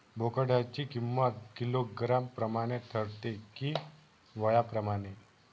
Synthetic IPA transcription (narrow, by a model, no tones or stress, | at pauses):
bʱokəɽat͡ɕikimːət̪̚kiloɡɾampɾəmaɽ̃et̪ʰəɾt̪eki | ʋəjapɾəmaɽ̃e